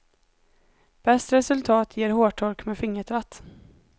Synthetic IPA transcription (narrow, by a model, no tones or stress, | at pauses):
b̥ɛst̪ɾɛsɵlt̪ʰɑːt̪ʰjeːɾhoːʈʰɔɾkmeːfɪŋːəʈ̪ʰɾat̪ː